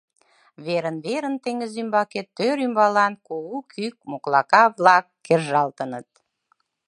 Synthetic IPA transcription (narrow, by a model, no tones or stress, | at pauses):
βeɾənβeɾənt̪eŋəzymbɑket̪ːøɾymbɑlɑnkoukʰyk̚moklɑkɑβlɑkːerʒɑlt̪ənət̪̚